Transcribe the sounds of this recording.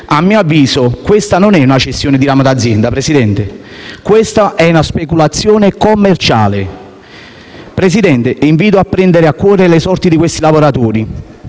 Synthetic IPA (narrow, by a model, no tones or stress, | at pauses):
amːiːoavːiːzokwest̪anonɛunat͡ʃest̪ːjoːnɪd̪iɾaːmad̪ad̪zːjɛnd̪apɾesid̪ɛnt̪e | kwest̪aʔɛunaspekulat̪sːjɔːnekomːert͡ʃa̰ːle | pɾes̬id̪ɛnt̪eʔiɱviːt̪̬oapːɾɛnd̪eɾeakːwɔːɾelesɔrt̪id̪ikwest̪ilavoɾat̪ɔːɾi